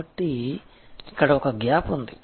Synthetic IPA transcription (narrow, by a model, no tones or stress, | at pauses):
ɐʈːi | ikːɐɽɐɔkɐɡjaːpund̪i